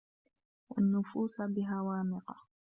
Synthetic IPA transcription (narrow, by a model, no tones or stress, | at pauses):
wa̰nːʊfuːsabɪɦawaːmɪqɑ